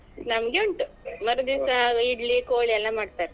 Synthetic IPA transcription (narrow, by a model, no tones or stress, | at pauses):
nɐmɡeoɳʈmɐɾd̪isaiɖlikoːɭiɛlːamaːɖt̪aːɾe